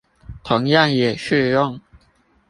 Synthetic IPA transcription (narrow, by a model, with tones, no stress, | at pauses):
t̪ʰʊ˧˦ŋjɑ˥˨ŋjɛ˨˩ɕy˥˧jʊ˥˨ŋ